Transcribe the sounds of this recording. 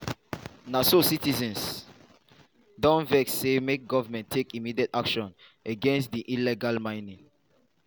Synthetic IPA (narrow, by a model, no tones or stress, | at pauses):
nasositizɛ̃ns | dɔ̃nvɛkssemek̚ɡɔvamɛ̃ntʰekimidiɛtakʃɔ̃nəɡɛ̃nstdiʔilɛɡalmãɪ̃nĩŋ